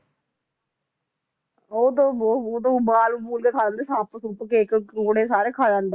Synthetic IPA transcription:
oːd̪õːooːd̪õːbaːlubuːlkeːkʰaːlaːnd̪eːsãːpəsupkeːkoɽeːsaːɾeːkʰaːd͡ʒãːnd̪e

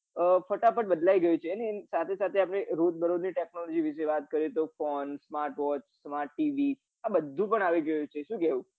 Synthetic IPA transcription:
əfəʈapəʈ̚bəd̪laiɡəjũt͡ʃʰenesat̪ʰesat̪ʰeapɳ̃eɾot̪̚bəɾod̪niʈeknɔlɔd͡ʒiʋiʃeʋat̪kəɾet̪ofɔnsmaɾʈʋɔt͡ʃsmaɾʈːiʋi | abəd̪ʱːũpəɳaʋiɡəjũt͡ʃʰeʃũkɛũ

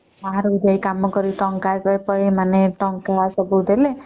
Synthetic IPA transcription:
aɦaɾɔbid̪ʱajkamɔkɔɾiʈɔŋkajpajpɔimaneʈɔŋkasɔbud̪ele

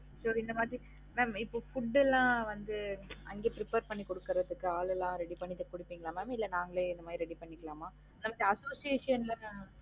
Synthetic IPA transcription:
sɔɾɪnd̪ɐmaːðɾi | meːmɪpːoːfʊɖːɛlːãːʋɐnd̪ɯɐŋɡeːpɾɪpeːɾpɐɳːikɔɽɯkːɯɾɐðɯkːɯaːlɛlːãːɾɛɽipɐɳːɪt̪ːɯkːɔɽɪpːiːŋɡɐɭãːmɛːmɪlːɛnaːŋɡɐɭeːɪnd̪ɐmaːd̪ɾiɾɛɽipɐɳːɪkːɐɭaːmaː | ɪnd̪ɐmaːd̪ɾiɐsoːsieːʂɪjɐnlɐnɯ

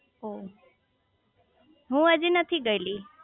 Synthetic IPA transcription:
ɦo | ɦũəd͡ʒinət̪ʰiɡəjli

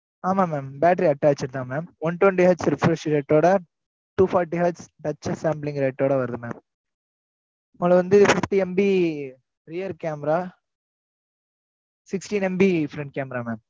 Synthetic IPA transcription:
aːmaːmeːmbaːʈɐɾiɐʈːaːt͡ʃːɪɾɯt̪ãːmeːmʋɔnʈwɛɳɖiɦaːd͡ʒsɾɪfɾɐʂɾɐːʈːoːɽɐ | ʈuːfaːɾʈiɦaːsɖɐt͡ʃːɐsaːmplɪ̃ŋɾɐɪʈːoːɽɐʋɐɾɐðɯmḛːm | mɐlɐʋɐnd̪ɯfɪft̪iɛmbi | ɾɪjɐɾkaːmɛɾaː | sɪksʈinɛmbifɾɛɳʈ̚kaːmɾaːmeːm

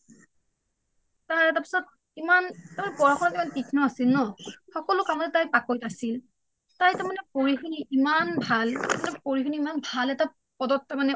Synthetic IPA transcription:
taɹɛtapi̥sɔt̚ | imantamanɛpɔɹaxʰɔnɔtimankikʰnɔasilnɔxɔkɔlʊkaʊnɛtajpakojtasil | tajtamanɛpoɹixʰuniʔimanbʱaltamanɛpoɹixʰuniːmanbʱalɛta | pɔdɔtːamanɛ

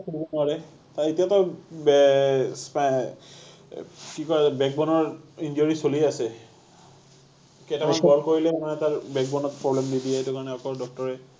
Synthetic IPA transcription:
kubɔnaɹɛ | taɹitijatɔbɛspa | kikɔɹabɛɡ̚bɔnɔɹind͡ʒoɹisoliasɛ | ketamanɡɔɹkoɹilɛmanɛtaɹbɛɡ̚bɔnɔt̚pɹɔblɛmdidijɛetukaɹɔnɛɔkɔdɔk̚tɔɹɛ

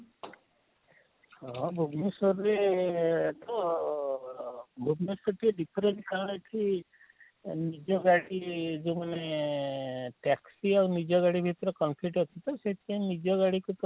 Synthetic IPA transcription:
hɔbʱubnusɔɾe | t̪ɔ | bʱubnisɔʈieɖipʰɔɾeɳʈkaɾɽ̃et̪ʰi | nid͡ʒɔɡaɽid͡ʒomane | ʈɛksiawnid͡ʒɔɡaɽibʱit̪ɾɔkɔnpʰiʈɦɔt̪ʰit̪ɔset̪ʰĩnid͡ʒɔɡaɽikut̪

